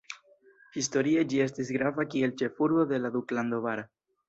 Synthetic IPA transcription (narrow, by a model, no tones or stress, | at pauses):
histo̞ɾie̞d͡ʒie̞s̬tisɡɾavakie̞lt͡ʃe̞fuɾbo̞d̪e̞lad̪ukland̪o̞vaɾa